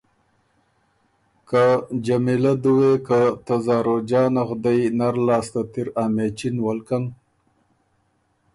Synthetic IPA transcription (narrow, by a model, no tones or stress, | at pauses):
kad͡ʒamilad̪uwekat̪azɑːɾod͡ʒɑːnaɣd̪ajnaɾlɑːst̪at̪iɾaːmet͡ʃinwalkam